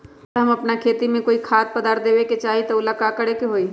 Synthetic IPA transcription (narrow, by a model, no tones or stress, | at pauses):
ɾɦɐmɐpnakʰeːt̪imẽkoːikʰaːt̪̚pəd̪aːɾt̪̚d̪eːʋeket͡ʃaːɦit̪ɐʊlakaːkəɽekeɦoːiː